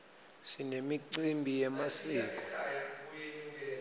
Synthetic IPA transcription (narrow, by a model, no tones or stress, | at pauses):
sinemiǀimbʱijɛmasiːk̬ʼɔ̥